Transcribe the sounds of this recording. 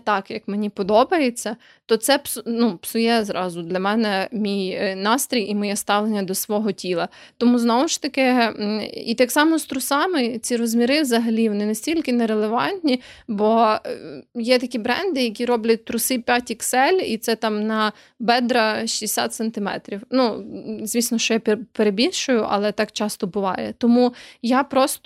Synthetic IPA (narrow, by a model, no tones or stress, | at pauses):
t̪ɑkjɐkmenʲipɔd̪ɔbɐjet͡sʲːɐ | t̪ɔt̪sɛpsʊnupsʊjɛzɾɑzʊd̪lʲɐmɛnɛmʲijnɑst̪ɾʲijimɔjɛst̪ɑʋlˠenʲːɐd̪ɔsʋɔɦɔtʲilˠɐ | t̪ɔmuznɔwɔʃt̪ɐkɪ | ḭt̪ɑksɑmɔst̪ɾʊsɑmɪt͡sʲiɾɔzmʲiɾɪʋzɐɦɐlʲiʋɔnɪnɐsʲtʲilʲkɪneɾelˠeʋɑnʲt̪ʲnʲibɔ | jɛt̪ɐkʲibɾɛnd̪ɪjɐk̬ʲiɾɔblʲɐt̚ʲt̪ɾʊsɪpʲjatʲiksɛlʲit̪sɛt̪ɑmnɐ | bɛd̪ɾɐʃʲiesʲa̰t̪sent̪ɪmɛ̰t̪ɾʲiwnuzʲʋʲisnɔʃt͡ʃɔjapʲpeɾebʲilʲʃʊjʊʔɐ̰lˠɛt̪ɑkt͡ʃɑst̪ɔbʊʋɑ̰jɛ̰t̪ɔmujapɾɔst̪